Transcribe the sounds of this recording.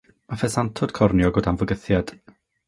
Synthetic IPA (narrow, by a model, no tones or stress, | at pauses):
mafɛsantʰɔd̥kʰɔrnjɔɡʊːdanvɔɡəθjad̥